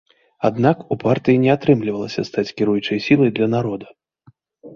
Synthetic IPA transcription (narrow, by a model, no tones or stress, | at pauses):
ad̪nakupart̪ɨjinʲɛat̪ɾɨmlʲivɐlˠɐsʲɐst̪at͡sʲkʲɪɾujut͡ʂɐjsʲilˠɐjd̪lʲɐnaɾɔd̪ɐ